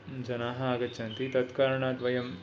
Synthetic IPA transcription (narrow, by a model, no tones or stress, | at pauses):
d͡ʒɐnaːɦɐaːɡɐtːt͡ʃʰɐnt̪it̪ɐt̪kaːɾɐɳaːd̪ʋɐjɐm